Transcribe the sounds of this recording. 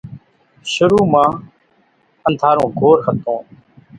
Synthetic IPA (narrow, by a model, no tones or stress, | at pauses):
ʃʊɾuːmãː | ənt̪ʰaːɾõːɡʱoːɾɦət̪õː